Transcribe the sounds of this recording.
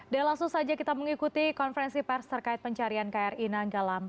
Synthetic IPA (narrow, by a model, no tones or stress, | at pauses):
dalaŋsʊŋsad͡ʒakit̪aməŋikut̪ikɔnfəɾɛnsipɛrst̪ərkaɪt̪̚pəɲt͡ʃaɾiankaarinaŋɡalam